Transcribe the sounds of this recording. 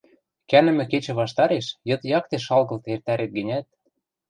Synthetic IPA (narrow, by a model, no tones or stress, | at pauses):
kænɘ̆mɘ̆ket͡ɕɘ̆βɑʃt̪ɑɾeʃjɤ̆t̪jɑk̚t̪eʃɑlɣɤ̆lt̪ert̪æɾet̪̚ɡɘ̆nʲæt̪̚